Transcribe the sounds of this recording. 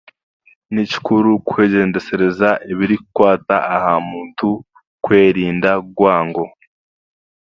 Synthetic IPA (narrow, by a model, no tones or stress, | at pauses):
nici̥kʰuɾukwe̞ːɟe̞ːnde̞se̞ɾe̞zaʔiβiɾikukwaːtaahamuːntu | kwe̞ːɾiːndaɡwaːŋɡo̞